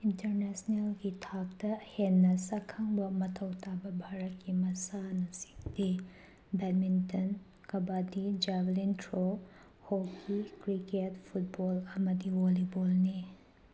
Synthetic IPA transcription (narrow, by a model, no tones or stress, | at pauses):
intɐɾnesnelɡitʰak̚tɐhenːɐsɐkʰaŋbɐmɐtʰɐwtʰabɐbʱaɾɐt̚kimɐsanɐsi̥ŋdi | bet̚minton | kɐbadid͡ʒablintɾo | hokʰikɾiketpʰut̚bolɐmɐdiwolibolni